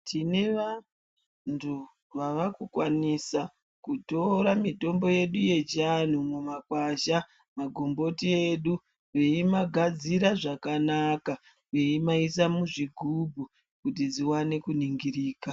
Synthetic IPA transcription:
tʰineʋa | ntʰu | ʋaʋakukwanisa | kuto̞ɾamito̞mbo̞je̞ɗuje̞d͡ʒan̤umumakwaʃa | maɡʱombo̞tie̞ɗu | ʋejimaɡʱad͡ziɾaʐakanaka | weimaisamuʐiɡʱubʱu | kutid͡ziwane̞kuniŋɡiriːka

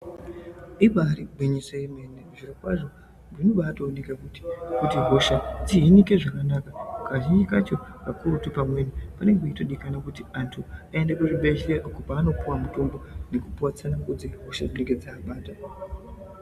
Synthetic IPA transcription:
ipaɾiɡ͡bʱeɲisoeme̞neʐirakwaʐo̞ | inoɓaːtoːne̞kakuti̥kutiɦo̞ʃad͡ziɦinike̞ʐakanaːkakaʒind͡ʒikat͡ʃo̞kakuɾutupamwe̞nipane̞ŋɡeitoɗikanakutiantʰuae̞ndakuriɓeʃiɾeʔokopaːno̞puwamutumbo̞nekupuwat͡sanaŋɡud͡zeɦo̞ʃad͡zine̞ŋɡed͡zaːɓaːta

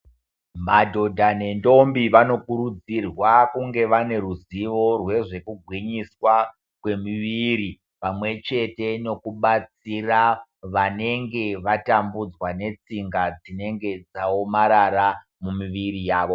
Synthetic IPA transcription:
madʱo̞dʱane̞ndo̞mbiʋano̞kuɾud͡zirwakuŋɡe̞ʋane̞ɾuziʋo̞rwe̞ʐe̞kuɡʱwiɲiswa | kwe̞miʋiɾi | pamwe̞t͡ʃe̞te̞no̞kuɓat͡siraʋane̞ŋɡe̞ʋatambud͡zwane̞t͡siŋɡad͡zine̞ŋɡe̞d͡zaomaɾaɾa | mumiʋiɾijaːʋo̞

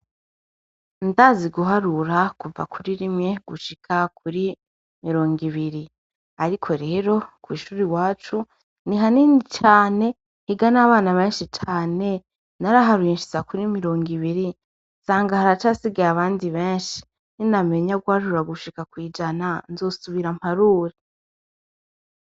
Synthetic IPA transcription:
ndaziɡuɦaɾuɾakuva̰kuɾiɾimɲe̞ɡ̥uʃikʰak̚ʰuɾi | miɾo̞ːŋɡiβiɾi | aɾikʰo̞ɾe̞ːɾo̞kwiːʃuːɾiwaːt͡ʃu | niɦaninit͡ʃaːne̞ | hiɡanaβaːnaβeːnʃit͡ʃaːne̞ | naɾaɦaɾujinʃi̥zakuɾimiɾo̞ːŋɡiβiɾi | nsaːŋɡahaɾat͡ʃaːsiɡajaβaːndiβe̞ːnʃi̥ | niname̞ɲaɡwaːʒuɾaɡuʃikakwiːd͡ʒananzo̞ːsuβiɾam̥aɾuːɾe

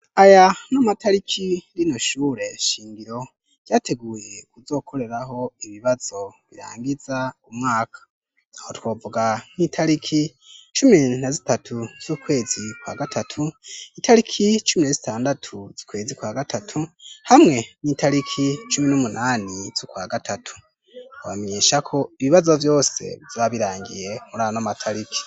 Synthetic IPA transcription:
ajanamataɾikʰiɾinoʃuːɾe̞ʃiːŋɡiɾo̞ | ɟ̥aːtʰe̞ɡuːje̞kuzo̞ːkʰo̞ɾe̞ɾaɦo̞iβiβaz̥o̞βiɾa̰ːŋɡizaumŋaːkʰḁ | hotwoːvuɡanitʰaɾikʰi | t͡ʃuminazitatʰuz̥ukwe̞ːz̥ikwa̰ːɡatʰatʰuitʰaɾikʰit͡ʃuminezitaːndatʰuz̥ikwe̞ːzikwaːɡatʰatʰuhamŋe̞niːtʰaɾikʰit͡ʃuminumunaːniv̥ukwaːɡatʰatʰu̥ | owameɲeːʃakʰo̞iβiβazo̞vjo̞ːse̞̰vjaaβiɾaːŋɡḭje̞muɾanamatʰaɾikʰi̥

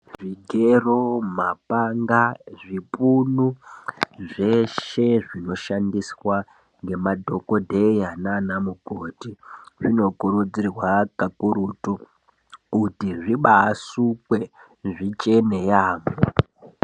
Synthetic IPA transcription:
ʐiɡʱeromapaŋɡaʐipunu | ʐe̞ʃe̞ʐino̞ʃandiswa | ŋɡe̞madʱo̞ko̞dʱe̞jananamukotiʐino̞kuɾud͡zirwakakuɾutu | kutiʐiɓaːsukwe | ʐit͡ʃe̞ne̞jaːmo

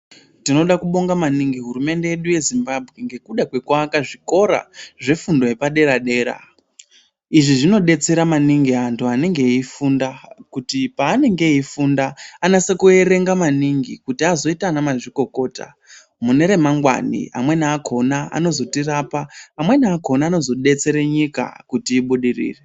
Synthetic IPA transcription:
tino̞ɗakuɓo̞ŋɡamaniŋɡiɦuɾume̞nde̞jeɗuje̞zimbabʱɣe̞ŋɡe̞kuɗakwe̞kwakaʐiko̞ɾa̰ʐe̞fundo̞je̞paɗe̞ɾaɗe̞ːɾa̰ | iʐiʐino̞ɗe̞t͡se̞ɾamaniŋɡiɦantʰuane̞ŋɡe̞ifundakutipaːne̞ŋɡe̞ifundaːnasekue̞ɾe̞ŋɡamaniŋɡikutiazo̞itanamaʐiko̞ko̞ːta̰ | mune̞ɾe̞maŋɡwa̰nḭa̰mwe̞naːkʰo̞naa̰no̞zo̞tiraːpaːmwe̞naːko̞naːno̞zo̞ɗe̞t͡se̞ɾe̞ɲika̰kutiːɓuɗirḭːre

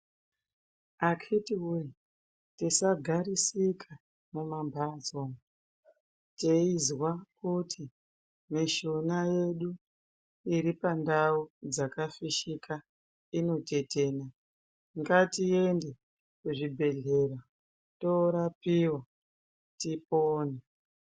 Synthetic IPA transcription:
akʰitiwu | tisaɡʱaɾisikʰa | mumambʱazom | teizwakutʰi | miʃonaje̞ɗu | iɾipandaud͡zakafiʃikʰa | ino̞te̞teːna | ŋɡatie̞nde | kuʐibʱe̞ɮe̞ra | toɾapiwa | tipoːne

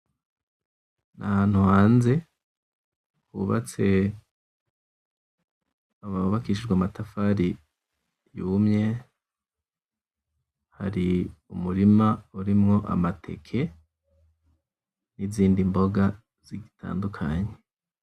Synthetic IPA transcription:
nʔa̰haːn̥huhaːnze̞ | huːβa̰t͡se̞ | aβauβakiːʃ̬id͡ʒɡwamatafaɾi | juːmɲe̞ | ha̰ɾiumuɾimauɾimŋo̞ʔa̰matʰe̞̰kʰe̞ | niziːndimbo̞ɡa | z̥iɡitʰa̰ːndukʰaɲe

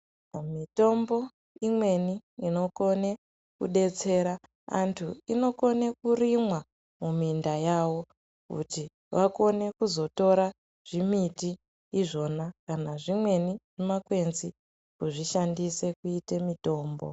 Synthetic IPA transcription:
mito̞mbo̞ | imwe̞niino̞ko̞ne̞ | kuɗe̞t͡se̞ːɾa | a̰ntʰuino̞ko̞ne̞kuɾimwa | mumindajawo̞ | kṵti | ʋako̞ne̞kuzo̞to̞ɾa | ʐ̥imitiː | ʐo̞nakanaʐimwe̞niʐ̥imakwe̞nzi | kuʐiʃandise̞kuitemito̞ːmbo̰

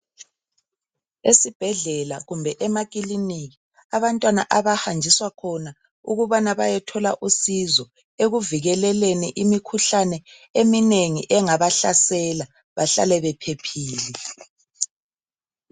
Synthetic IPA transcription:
esib̥ʱɛɮɛla̰ɣumbʱɛʔɛmakʼiliniɣi | aβantʼwana̰ʔaβahand͡ʒʱiswakʰɔna | uɣuβanaβajɛtʰɔlaʔusizɔ | eɣuviɣɛlɛleniʔimikʰuɬanɛ | emineŋiʔɛŋaβaɬasɛla | βaɬa̰lɛβɛpʰepʰiːli

